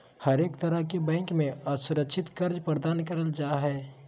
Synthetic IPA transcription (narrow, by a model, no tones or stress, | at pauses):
həɾeːkt̪əɾəkebɛ̃ːŋkmẽasʊɾəkʃɪt̪kɐɾd͡ʒpɾəd̪aːnkəɾəld͡ʒaːɦɛː